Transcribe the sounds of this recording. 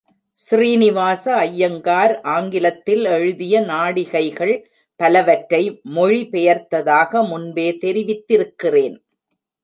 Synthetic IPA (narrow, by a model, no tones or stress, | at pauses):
sriːnɪʋaːsɐɐjːɐŋɡaːɾʔaːŋɡɪlɐt̪ːɪlɛɻɯðɪjɐnaːɽɪɣɐɪɣɐɭ | pɐlɐʋɐʈɾɐɪmɔɻipɛjɐɾt̪ɐðaːɣɐmʊnbeːt̪ɛɾɪʋɪt̪ːɪɾɯkːɪreːn